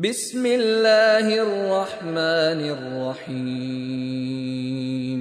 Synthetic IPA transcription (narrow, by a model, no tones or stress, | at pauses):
bɪsmɪlːaːhɪrrːɑħmaːnɪrːɑħiː | m